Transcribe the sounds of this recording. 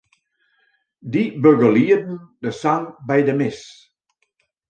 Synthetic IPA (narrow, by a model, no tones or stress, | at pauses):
dibøɡəliːdən̩d̥əsaŋbɛjdəmɪs